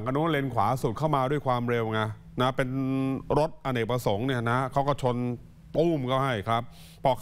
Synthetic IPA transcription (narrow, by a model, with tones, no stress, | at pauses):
ŋʔa˧nu˦˥le˧nkʰwaː˩˦su˨˩kʰa˥˩wmaː˧du˥˩əjkʰwaː˧mɾe˧wŋa˧˥ | na˦˥pe˧nɾo˦˥t̪̚ʔa˧nʔeː˨˩k̚pɾa˧so˨˩˦ŋni˥˩ɐna˦˥kʰa˦˥wkɔ˥˩wt͡ɕʰo˧n | t̪uː˥˩mkʰɔ˥˩wɦa˥˩jkʰɾa˦˥p̚ʰː | ɔː˦˧˥